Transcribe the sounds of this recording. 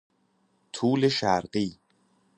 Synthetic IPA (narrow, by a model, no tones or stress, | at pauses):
t̪ʰuːleʃæɾɢiː